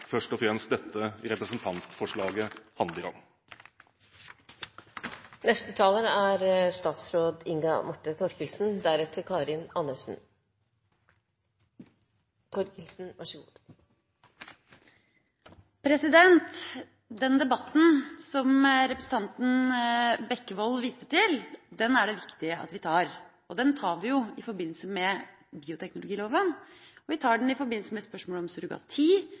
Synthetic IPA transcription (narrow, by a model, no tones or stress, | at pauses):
fœʂʈɔfɾɛmst̪d̪ɛt̪ʰːəɾɛpɾəsn̩t̪ʰɑnt̪fɔʂɭɑːɡəhɑnd̪ɪɡɑ̰ŋː | nɛst̪ət̪ʰɑːləɾæɾst̪ɑːt̪sɾoːd̪ɪŋɡɑ̰mʊʈːət̪ʰɔɾkəlsn̩d̪æɾɛt̪ʰəkʰɑːɾɪnɑnːəʂn̩ | t̪ʰɔɾkɪlsn̩ʋɑʂəɡuː | pʰɾɛsɪd̪ɛnt̪ | d̪ɛnd̪ɛbɑt̪ːn̩sɔmɾɛpɾəsn̩t̪ʰɑnt̪n̩bɛkːəʋɔlʋiːsəʈɪld̪ɛnæɖɛʋɪkt̪ɪəʔɑ̰t̪ʋɪt̪ʰɑːɾ | ɔd̪ɛnt̪ʰɑːɾʋɪjʊɪfɔɾbɪnːləsəmɛ | biːʊt̪ʰɛknʊlʊɡiːloːʋənɔʋɪt̪ʰɑːɖɳ̩ɪfɔɾbɪnl̩səmɛspœʂmoːləɔmsʉɾɡɑ̰t̪ʰiː